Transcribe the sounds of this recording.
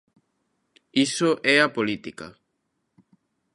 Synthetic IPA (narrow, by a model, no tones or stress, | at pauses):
isoʔɛapolit̪ika̰